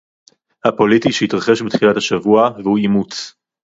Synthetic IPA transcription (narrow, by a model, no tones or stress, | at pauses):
hapo̞litiʃehitʁaχe̞ʃbet̪χilathaʃavuaveuimut͡s